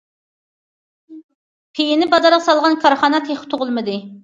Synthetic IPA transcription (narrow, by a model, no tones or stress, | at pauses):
pʰejinɪbɑd̪ɑɾʁɑsɑlˠʁɑnkʰɑɾχɑnɑt̪ʰeχɪ̥t̪ʰoʁʊlˠmɨd̪ɨ